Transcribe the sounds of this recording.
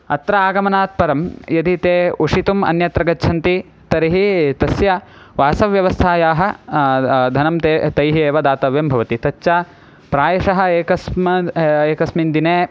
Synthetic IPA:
ɐ̰t̪ɾɐaːɡɐmɐnaːt̪̚pɐɾɐmjɐd̪it̪eːuʂit̪umɐ̰njɐt̪ɾɐɡɐtːt͡ʃʰɐnt̪i | t̪ɐɾiɦit̪ɐsjɐ | ʋaːsɐʋjɐʋɐst̪ʰaːjaːɦɐ̆ | d̪ʱɐnɐmt̪eːt̪ɐjɦieːʋɐd̪aːt̪ɐʋjɐmbʱɐʋɐt̪it̪ɐt͡ʃːt͡ʃːa | pɾaːjɐʂɐɦɐ̆eːkɐsmɐeːkɐsmind̪ineː

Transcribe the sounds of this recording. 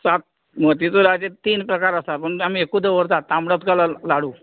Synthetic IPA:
sat̪̚ | mət̪it͡soɾad͡ʑet̪iːnpɾəkaɾəst̪apəɳam̤iekũd̪əʋəɾt̪at̪ːamɽat̪kalalaɽũ

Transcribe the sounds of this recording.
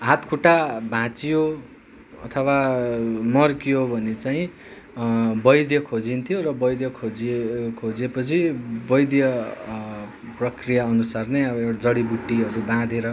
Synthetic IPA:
ɦat̪kʰuʈabʱãt͡sijo | ʌ̰t̪ʰʌwa | mʌrkijobʱʌnet͡sajĩ | bʌjd̪jʌkʰod͡zint̪ʰijorʌbʌjd̪jʌkʰod͡zkʰod͡zepʌt͡sʰibʌjd̪jʌ | prʌkrijaʌnusarneʌbʌewɽad͡zʌɽibuʈːiʌɾubãd̪eɾʌ

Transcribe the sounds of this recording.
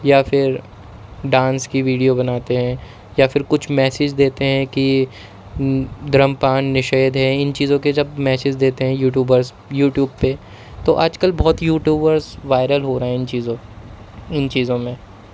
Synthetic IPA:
jafɪɾ | ɖãːnskiʋiːɖijobɐnaːt̪eɦɛ̃ | jafɪɾkʊt͡ʃʰmɛːsɪd͡ʒd̪eːt̪eɦɛ̃ki | d̪ɾəmpaːnːɪʃeːd̪ɦɛɪnt͡ʃiːzõked͡ʒɐbmɛːsɪd͡ʒd̪eːt̪eɦɛ̃juːʈ̬juːbəɾz | juːʈjuːbpe | t̪oʔaːd͡ʒkəlbɔːt̪juːʈjuːbəɾzʋaːɪɾəlɦoːɾɐɦɛ̃ɪnt͡ʃiːzõ | ɪnt͡ʃiːzõmẽ

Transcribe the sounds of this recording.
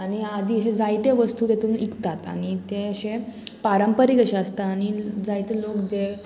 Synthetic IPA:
añiad̪iːɦed͡zajt̪eʋəst̪uːt̪et̪uːnikt̪at̪a̰ɽ̃it̪eɕepaɾəmpəɾikəɕaəst̪aːɽ̃id͡zajt̪elokd͡ze

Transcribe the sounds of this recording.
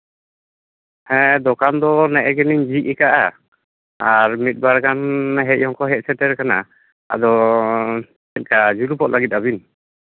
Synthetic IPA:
hɛ̃d̪ɔkand̪ɔnɛʔɛɡɛniɲd͡ʒiʔ̚ɛkaʔa | aɾmit̪̚ˀbaɾkanɦɛc̚ˀhɔŋkɔɦɛt̚sɛtɛɾkana̰ | a̰d̪ɔ | ɛt̪̚ˀkad͡ʒuɾupɔʔlaɡit̪̚aβin

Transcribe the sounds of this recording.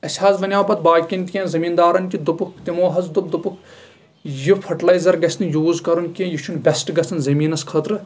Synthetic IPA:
ɐsʲhaːzʋɐnʲjaːpɐt̪̚baːkʲinʲt̪ʲkʲẽːzɐmiːnd̪aːɾɐnkʲid̪upukʰt̪imoːɦɐzd̪ub̚d̪upukʰ | jupʰɐʈlɐjzɐɾɡɐsʲnjuːzkɐɾunkʲẽjut͡ʃʰunbʲɐsʈɡɐsɐnzɐmiːnɐskʰɐt̪ɾɨ

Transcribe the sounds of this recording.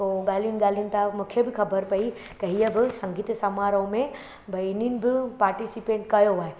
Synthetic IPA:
t̪oːɡaːliunɡaːliun̆t̪ʰamʊkʰebɪkɐbəɾpɐi | t̪ɐɦijəbɪsɐ̃ŋɡiːt̪sɐmaːɾəõmẽ | bʱɐininɪ̆bɪpaːɾʈisipẽːʈkɐjoʋaːɦe

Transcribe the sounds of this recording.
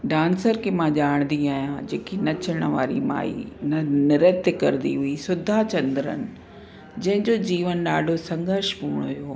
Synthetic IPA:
ɖãːnsəɾkemãʄaːɽ̃nd̪iaːɦijãd͡ʑeːkinɐt͡ɕʰəɽ̃əʋa̰ːɾḭma̰ːḭnɐnɪɾət̪jkɐɾnd̪ḭɦʊisʊd̪ʱat͡ɕɐ̃nd̪ɾə̰nɪ̆ | d͡ʑɐ̃ɦɪ̃ɲd͡ʑoːd͡ʑiːʋənɗaːɖʱosɐ̃ŋɡəɾʃpuːɽ̃ɦʊjoː

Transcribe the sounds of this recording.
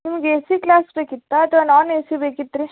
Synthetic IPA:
nimɐɡeesiklaːsbeːkit̪ːɐːt̪ʰʋanaːnesibeːkit̪ːɾi

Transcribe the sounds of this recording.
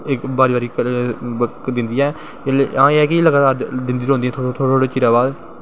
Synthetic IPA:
ɪkbaːɾiːbaːɾiːk | d̪ɪnd̪iːɛ̃ː | eleʔãːeɛːkɪːləɡaːt̪aːɾd̪ɪ̃nd̪iːɾɦõːnd̪ĩːɛ̃t̪ʰːt̪ʰooːɽeːt͡ʃɪɾaːbaːd̪

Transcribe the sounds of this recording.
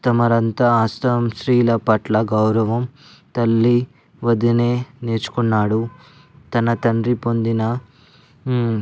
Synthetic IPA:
t̪ɐmɐɾɐnt̪ɐaːst̪ɐɐmʃɾiːlɐpɐʈlɐɡɐwɾɐʋɐm | t̪ɐlːi | ʋɐd̪ineːneːt͡ʃu̥kunːaːɽu | t̪ɐnɐt̪ɐɳɖɾipo̞nd̪inɐ

